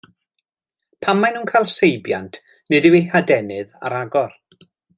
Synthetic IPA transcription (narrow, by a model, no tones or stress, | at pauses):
pʰamːajnuːnkʰajlˠsejbjantʰ | nɨdɨwejhadɛnɨða̰ɾaɡɔr